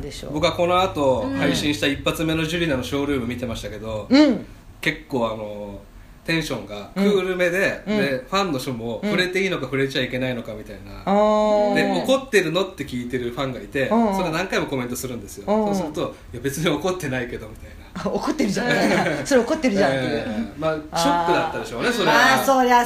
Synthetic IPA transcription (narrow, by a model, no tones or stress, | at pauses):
d̪eɕo̰bo̞kɯ̟ako̞no̞at̪o̞haiɕĩɕi̥t̪aipːat͡sɨme̞no̞ʑɨɾʲinano̞ɕo̞ːɾɯ̟ːmɯ̟mʲit̪e̞maɕi̥t̪ake̞d̪o̞ | ke̞kːo̞ːano̞ | t̪ẽ̞ɰ̃ɕõ̞ŋɡakɯ̟ːɾɯ̟me̞d̪e̞d̪e̞ɸãnːo̞ɕomoɸɯ̟ɾe̞t̪e̞iːno̞kaɸɯ̟ɾe̞t͡ɕaike̞naino̞kamʲit̪aina̰ | d̪eo̞ko̞t̪ːe̞ɾɯ̟no̞t̪ːe̞kʲiːt̪e̞ɾɯ̟ɸãŋɡait̪e̞so̞ɾenãŋkaimo̞ko̞mẽ̞nt̪osɨɾɯ̟̃nd̪e̞sɨjo̞sɨɾɯt̪o | ijabe̞t͡sɨɲio̞ko̞t̪ːe̞naike̞d̪o̞mʲit̪ainaokot̪ːeɾɯd͡ʒãsoɾeokot̪ːeɾɯ̟d͡ʒã | maːɕopːɯd̪at̪ːad̪e̞ɕoːnesoɾeoːɾea